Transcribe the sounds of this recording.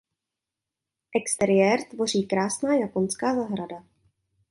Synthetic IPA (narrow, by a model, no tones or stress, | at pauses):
ʔɛkst̪ɛɾɪjɛːɾt̪vo̞r̝iːkɾaːsnaːjapo̞nskaːzaɦɾada